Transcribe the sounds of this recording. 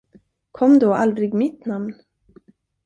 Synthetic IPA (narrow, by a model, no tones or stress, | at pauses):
kʰɔmːd̪oːald̪ɾɪɡmɪt̪namn